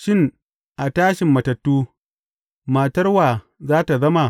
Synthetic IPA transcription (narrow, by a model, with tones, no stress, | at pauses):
ʃɪ˦ŋ | ʔa˨taː˦ʃɪ˨mːɐ˨tɐ˨tːuː˦ | maː˨tɐ˦rwaː˨ | zaː˦ta˨zɐ˦ma˨